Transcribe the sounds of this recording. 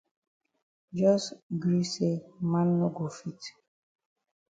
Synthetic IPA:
d͡ʒɔ˦sɡɾi˦se˦ma˦nː˦o˦ɡo˨fi˦˨t

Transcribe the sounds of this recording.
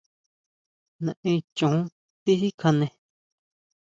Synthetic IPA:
nã˨ʔĩ˧t͡ʃõ˨˦ | t̪i˦hi˦kʰã˧nẽ˧

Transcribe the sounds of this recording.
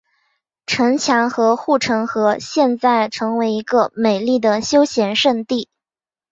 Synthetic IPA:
ʈ͡ʂʰɤ˧˥ŋt͡ɕʰjɑ˧˥ŋxɤ˧˥xu˥˩ʈ͡ʂʰɤ˧˥ŋxɤ˧˥ɕjɛ˥˧nt͡sa˥˩ɪʈ͡ʂʰɤ˧˥ŋwe˧˥ɪi˧˥ɡə˧me˨˩ɪli˥˩d̪ə˩ɕjo˥ʊɕjɛ˧˥nʂə˥˧nt̪i˥˩

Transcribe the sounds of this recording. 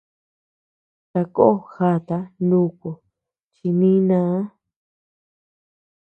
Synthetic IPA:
t̪a˧ko˦o˦˨xa˧˨t̪a˧ndũ˦ko˨ | t͡ʃi˧nĩ˦nãː˧˦

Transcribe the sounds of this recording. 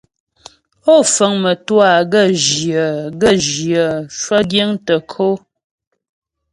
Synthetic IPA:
o˦˨fə˨˦ŋmə˨twa˨ɡə˦˨ʒjə˨ɡə˦˨ʒjə˨ʃwə˦ɡje˦ŋtə˨kʰo˦

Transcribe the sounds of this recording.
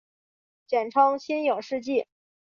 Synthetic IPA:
t͡ɕjɛ˨˩nʈ͡ʂʰɑ˥ŋɕʰi˥njo˨˩ʊʂɻ̩˥˧t͡ɕi˥˩

